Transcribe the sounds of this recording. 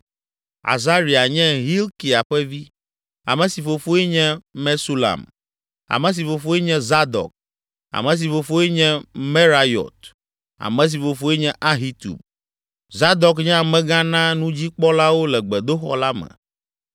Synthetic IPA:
a̰˨za˦ɾi˨a˨ɲɛ̃˦ɦi˦lki˨a˨ɸɛ˦vi˦ | a̰˨mɛ̃˨si˨fo˨fo˦ɛ˦ɲɛ̃˦mɛ˦su˦la̰˨m | a̰˨mɛ̃˨s̬i˨fo˨fo˦ɛ˦ɲɛ̃˦za˦d̪ɔ̰˨k̚ | a̰˨mɛ̃˨s̬i˨fo˨fo˦ɛ˦ɲɛ̃˦mɛ˦ɾa˦jɔ̰˨t̪ | a̰˨mɛ̃˨s̬i˨fo˨fo˦e˦ɲɛ̃˦ʔa˦ɦi˦t̪ṵ˨b | za˦d̪ɔ˨kɲɛ̃˦a˨mɛ̃˦ɡã˦nã˦nũ˦d͡ʑi˦k͡pɔ˦la˦wo˦lɛ˨ɡ͡bɛ˨d̪o˦xɔ̰˦la˦mɛ̰̃˨

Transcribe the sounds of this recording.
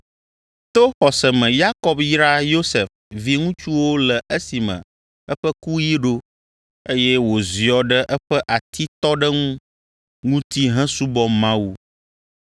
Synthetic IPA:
t̪o˦xɔ˨sɛ˨mɛ̃˨ja˦kɔ˦bji˦ɾa˦jo˦sɛ˨f | vi˦ŋũ˦t͡ʃu˦wo˦lɛ˨ʔə˦si˨mɛ̰̃˨ | ɛ˦ɸə˦ku˦ji˦ɖo˦ | e˦jɛ˦wo˨zi˨ɔ˨ɖə˦ʔɛ˦ɸɛ˦ʔa˨t̪i˦t̪ɔ˦ɖə˦ŋũ˦ | ŋũ˦t̪i˦ɦɛ̃˦su˦bɔ˦mã˦wu˦

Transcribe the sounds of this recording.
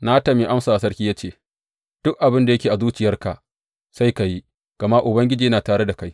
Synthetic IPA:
na˦tɐ˨mi˨ʔa˦msaː˨a˨sɐ˦rkʲiː˦jaː˦t͡ʃeː˦˨ | d̥ʊ˦kʔa˨bɪ˦nda˨jɐ˦kʲeː˨ʔa˨zuː˦t͡ʃɪ˨jɐ˦rka˨ʔ | sa˦jka˨ji˦ | ɡ̥ɐ˨ma˦ʔʊ˨bɐ˦ŋɡʲɪ˦d͡ʒiː˨jɐ˦naː˨taː˨ɽe˦da˨ka˦j

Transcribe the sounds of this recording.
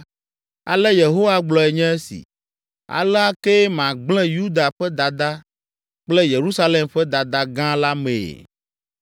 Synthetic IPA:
a̰˨lɛ˦je˨ɦo˦wa˦ɡ͡blɔ˨ɛ˨ɲɛ̃˦e˦sḭ˨ | a̰˨lɛ˦a˦ke˦mã˨ɡ͡blɛ̃˦ju˦d̪a˨ɸɛ˦d̪a˨d̪a˦ | k͡plɛ˦je˨ɾu˦sa˦le˨mɸɛ˦d̪a˨d̪a˦ɡã˦la˦mḛ̃˨

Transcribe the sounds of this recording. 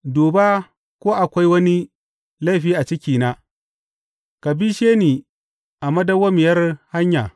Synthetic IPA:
doː˨baː˦ | kʷoː˦ʔa˨kʷa˦jwɐ˦ni˦ | la˦˨ɸiː˦ʔa˨t͡ʃɪ˦kʲiː˨naː˦ | ka˨biː˦ʃeː˦niː˨ | ʔa˨mɐ˦da˦wɐ˦mɪ˨jɐ˦rha˦ɲja̰ː˨

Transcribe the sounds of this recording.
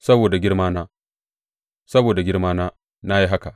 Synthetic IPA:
sɐ˦boː˨da˨ɡʲɪ˦ɽmaː˦naː˦ | sɐ˦boː˨da˨ɡʲɪ˦ɽmaː˦naː˦ | na˦ji˦ɦa˦ka˨

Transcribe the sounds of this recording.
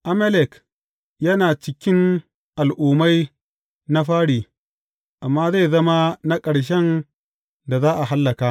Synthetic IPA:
ʔa˦mɛ˦lɛ˨k | jɐ˦naː˨t͡ʃɪ˦kʲɪ˦n | ʔa˨lʔuː˨ma˦j | na˦ɸaː˦ɽiː˨ | ʔa˨mːaː˦za˦jzɐ˦ma˦na˦kʼɐ˨ɽʃ̬ɛ˦n | da˨zaː˦ʔa˨ɦa˦lːɐ˨kaː˦ʔ

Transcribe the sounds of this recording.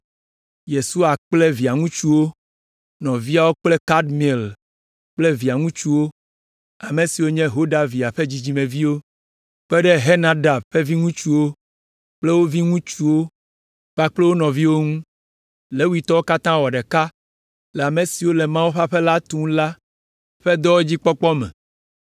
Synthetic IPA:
je˨su˦a˨k͡plɛ˦vi˨a˨ŋũ˦t͡ʃu˦wo˦ | nɔ̃˨vi˦a˦wo˦k͡plɛ˦ka˦dmi˨ɛ˨l | k͡ple˦vi˨a˨ŋũ˦t͡ʃu˦wo˦ | a˨mẽ˨si˨wo˦ɲɛ̃˦ɦo˦ɖa˨vi˨a˨ɸe˦d͡ʑi˦d͡ʑi˦mẽ˨vi˦wo˦ | k͡pɛ˦ɖɛ˦ɦe˦nã˦ɖa˨bɸɛ˦vi˦ŋũ˦t͡ʃu˦wo˦ | k͡ple˦wo˦vi˦ŋũ˦t͡ʃu˦wo˦ | k͡pa˦k͡ple˦wo˦nɔ̃˨vi˦wo˦ŋũ˦ | le˨˦wi˦t̪ɔ˦wo˦ka˦t̪ã˦wɔ˨ɖɛ˨ka˦ | lɛ˨a˨mẽ˨si˨wo˦le˨mã˦wu˦ɸa˦ɸe˦la˦t̪ũ˦la˦ | ɸɛ˦d̪ɔ˦wo˦d͡ʑi˦k͡pɔ˦k͡pɔ˦mɛ̰̃˨

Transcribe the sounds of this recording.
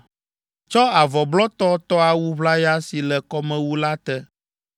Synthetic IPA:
t͡ʃɔ˦a˨vɔ˨blɔ˦t̪ɔ˦t̪ɔ˦a˨wu˦βla˦ja˦si˨lɛ˨kɔ˦mɛ̃˦wu˦la˦t̪ɛ˦

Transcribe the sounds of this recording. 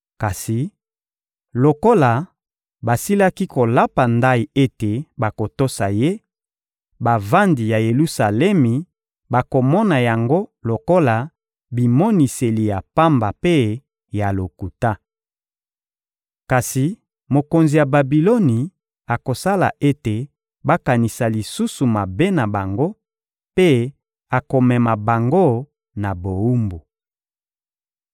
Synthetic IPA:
ka˨si˨ | lo˨ko˦la˨ | ba˨si˦la˦ki˦ko˨la˦pa˨nda˦i˨e˦te˨ba˨ko˨to˦sa˨je˦ | ba˨va˦ndi˨ja˨je˨lu˦sa˨lɛ˦mi˨ | ba˨ko˨mɔ˦na˨ja˨ŋɡo˦lo˨ko˦la˨ | bi˨mɔ˦ni˨se˨li˨ja˨pa˦mba˨pe˦ | ja˨lo˨ku˨ta˦ | ka˨si˨ | mo˨ko˨nzi˨ja˨ba˨bi˨lɔ˦ni˨ | a˨ko˨sa˦la̰˨ʔe˦te˨ | ba˦ka˨ni˨sa˨li˨su˦su˨ma˨be˦na˨ba˨ŋɡo˦ | pe˦ | a˨ko˨mɛ˨ma˨ba˨ŋɡo˦ | na˨bo˨u˦mbu˨

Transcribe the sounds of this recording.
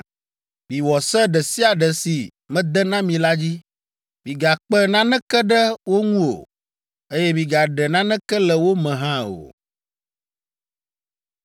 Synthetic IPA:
mĩ˨wɔ˨sɛ˦ɖɛ˨si˦a˨ɖɛ˨si˨ | mɛ̃˦d̪ɛ˦nã˦mĩ˨la˦d͡ʑi˦ | mĩ˨ɡa˨k͡pɛ˦nã˦nɛ̃˦kɛ˦ɖə˦wo˦ŋũ˦o̰˨ | e˦jɛ˦mĩ˨ɡa˨ɖɛ˨nã˦nɛ̃˦kɛ˦lɛ˨wo˦mɛ̃˨ɦã˦o̰˨

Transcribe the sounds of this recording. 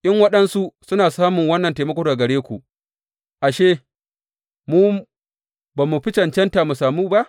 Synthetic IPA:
ʔɪ˦ŋwɐ˦ɗɐ˦nsu˦sʊ˦naː˨saː˦mʊ˨ŋwɐ˦nːɐ˨nteː˨mɐ˦kʷoː˦˨ɡɐ˨ɽeː˦kʷu˨ʔ | ʔa˨ʃeː˦ | muː˦ | baː˨mu˨ɸɪ˦t͡ʃɐ˨nt͡ʃɐ˦nta˨mu˨saː˨muː˦ba˦ʔ

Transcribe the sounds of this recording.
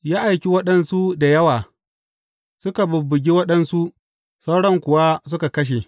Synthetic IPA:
jaː˦ʔa˨jkʲi˦wɐ˦ɗɐ˦nsu˦da˨jɐ˦waː˨ | sʊ˦ka˨bʊ˨bːʊ˨ɡʲi˦wɐ˦ɗɐ˦nsu˦ʔ | sɐ˦wɽɔ˦ŋkʷʊ˨wa˦sʊ˦ka˨kɐ˦ʃ̬e˨

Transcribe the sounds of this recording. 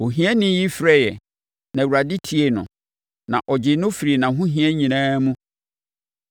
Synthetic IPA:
o˨ɦĩ˦ɛ˦nɪ̃˦ji˦fɾɛ˦jɛ˨ | nã˨wu˨ɾa˨dɪ˦tʰi˨e˦nʊ̰̃˨ | nã˨ʔɔ˨d͡ʑɪ˨nʊ̃˦fi˨ɾi˨nã˨ɦʊ̃˦ɦĩ˦ɛ˦ɲĩ˨nãː˦mũ˦

